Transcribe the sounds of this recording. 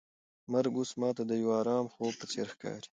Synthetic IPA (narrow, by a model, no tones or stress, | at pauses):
maɾɡusmɑːt̪ad̪əjawɑːɾɑːmxoːb̚pəsḛːɾxkɑ̰ːɾi̥